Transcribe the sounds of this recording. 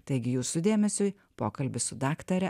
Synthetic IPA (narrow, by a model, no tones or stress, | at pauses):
t̪ɐɪɡʲɪjuːsʊd̪ʲeːmʲɛsʲʊj | poːkɐlʲbʲɪsʊd̪ɑːkt̪ɐɾʲɛ